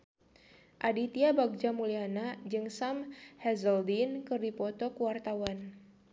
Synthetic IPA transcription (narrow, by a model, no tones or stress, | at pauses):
ʔadit̪iabaɡ̚d͡ʒamulianad͡ʒɨŋsamhɛzəldinkɨrdipɔt̪ɔkuwart̪awan